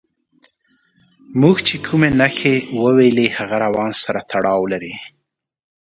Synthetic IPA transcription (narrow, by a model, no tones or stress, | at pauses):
muɡt͡ʃekʰumenaxewəwelehaɣaɾawɑnsaɾat̪ʰaɽɑwlaɾi